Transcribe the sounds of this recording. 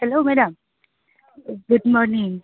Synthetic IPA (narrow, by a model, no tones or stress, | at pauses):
hɛloːmɛɖə̃m | ɡʊɖmɔːɾnɪ̃ŋ